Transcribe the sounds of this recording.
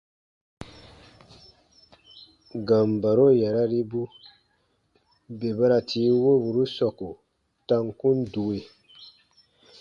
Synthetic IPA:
ɡa˨m˨ba˨ɾo˦ja˨ɾa˦ɾi˦bu˦ | be˨ba˦ɾa˨tʰiː˦wo˦bu˨ɾu˦sɔ˨ku˨ | ta˦ŋkũ˦n˦du˨e˨

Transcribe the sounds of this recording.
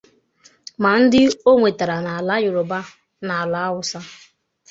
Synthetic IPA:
ma˨n̩˦dɪ˦o˦ŋʷe˨ta˨ɾa˨na˨la˦jʊ˨ɾʊ˨ba˦ | na˨a˨la˨˦a˦wʊ˦sa˦

